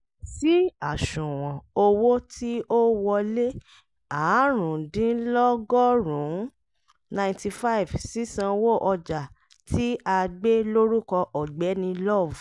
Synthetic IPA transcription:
si˦a˦˨ʃũ˨w̃ɔ̃˨o˧wo˦tʰi˦o˦wɔ˧le˦ | a˨˦ɾũ˨dĩ˨˦lɔ˦ɡɔ˦ɾũ˨˦ | nã˧ti˧fa˦i˨vsi˦sã˧wo˦ʔɔ˧d͡ʒa˨ | tʰi˦a˧ɡ͡be˦lo˦ɾu˦kɔ˧ʔɔ˨ɡ͡bɛ˨˦nĩ˧lɔ˦˨v

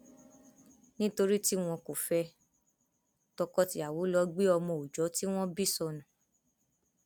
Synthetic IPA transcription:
nĩ˦to˧ɾi˦ti˦w̃ɔ̃˧ko˨fɛ˧ | tɔ˧kɔ˦ti˧˦a˨wo˨˦lɔ˧ɡ͡be˦ɔ˧mɔ̃˧˨o˨d͡ʒɔ˨˦ti˦w̃ɔ̃˦bi˦sɔ˧nũ˨

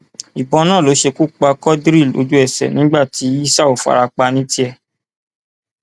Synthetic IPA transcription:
i˨bɔ̃˧nã˦˨lo˨˦ʃe˧ku˦˨k͡pa˧kɔ˦dɾi˦˨lo̰˧d͡ʒu˦ɛ˦˨sɛ̰˨nĩ˦ɡ͡ba˦˨ti˨˦i˦sa˦o˨fa̰˨ɾa˧k͡pa˧nĩ˦ti˦ɛ˧

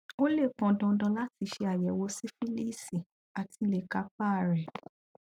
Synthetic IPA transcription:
o˦le˦˨k͡pɔ̃˧dɔ̃˧dɔ̃˧˦la˦ti˧ʃe˧a˨jɛ˨˦wo˧˦si˦fi˦li˦˨si˨ | a˨ti˧le˨ka˧˦k͡pa˦˨ɾɛ˨

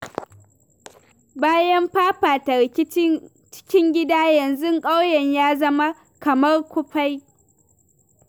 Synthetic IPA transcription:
baː˦jɐ˦mɸaː˦ɸaː˨ta˨ɾɪ˨kʲɪ˦ | t͡ʃɪ̥˦kʲɪ˦ŋɡʲɪ˦daː˦jɐ˨nzʊ˦ŋkʼa˦wjɛ˨ɲjaː˦zɐ˦ma˦ | kɐ˨mɐ˦rkʷʊ˦ɸa˦j

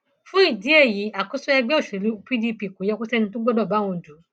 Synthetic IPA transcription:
fũ˦i˦˨di˨˦e˦˨ji˨˦a˨kɔ˦su˦ɛ˧ɡ͡bɛ˦˨ʃẽ˨lu˧pi˦di˧pi˨ko˨˦jɛ˧ko˦sɛ˦˧nĩ˧tu˦ɡ͡bɔ˦dɔ˦˨ba˨˦w̃ɔ̃˧˨d͡ʒu˨˦

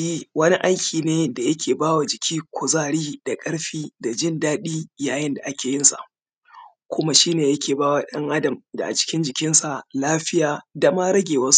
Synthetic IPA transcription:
iː˦wɐ˦ni˦ʔa˦jkʲʰiː˨neː˦da˨jɐ˦kʲʰeː˨baː˦wa˨d͡ʒɪ˨kʲʰiː˦kʷʰo˨zaː˦ɽiː˦d̥a˨kʼɐ˦ɽɸiː˦da˨d͡ʒɪ˦ndaː˦ɗiː˦jaː˨jɪ˦nda˨ʔa˦kʲeː˨jɪ˦nsa̰˨ʔ | kʷʊ˦ma˦ʃi˦neː˨jɐ˦kʲeː˨baː˦waː˨ɗɐ˦ŋʔa˦dɐ˨mda̰˨ʔa̰˨t͡ʃɪ̥˦kʲɪ˦nd͡ʒɪ˨kʲɪ˦nsa˨laː˦ɸɪ˦jaː˨da˨ma˦ɾɐ˦ɡʲeː˨wɐ˦s

